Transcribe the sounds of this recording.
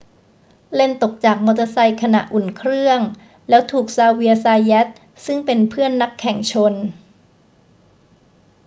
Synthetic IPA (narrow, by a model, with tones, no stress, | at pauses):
le˥˩nt̪o˨˩k̚t͡ɕaː˨˩k̚moː˧t̪a˧sa˧jkʰa˧na˨˩ʔu˨˩nkʰɾɯ˥˩əŋ | lɛː˦˥wt̪ʰuː˨˩k̚saː˧wi˧əsaː˧jɛ˦˥t̪̚ | sɯ˥˩ŋpe˧npʰɯ˥˩ənːa˦˥kʰːɛ˨˩ŋt͡ɕʰo˧n